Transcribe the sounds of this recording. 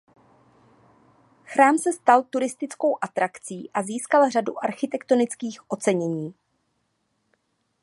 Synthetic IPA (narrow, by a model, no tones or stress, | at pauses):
xɾaːmsɛst̪alt̪uɾɪst̪ɪt͡sko̞wʔat̪ɾakt͡siːʔaziːskalr̝adṵʔaɾxɪt̪ɛkt̪o̞nɪt͡skiːxʔo̞t͡sɛɲɛɲiː